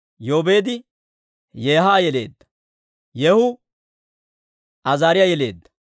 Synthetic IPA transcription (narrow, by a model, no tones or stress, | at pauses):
jo̞ːbeːd̪ɪ | jeːɦaːjɛle̞̰ːd̪ːɐ̥ | jɛhʊ | ʔɐzaːɾɪjajɛle̞ːd̪ːɐ̥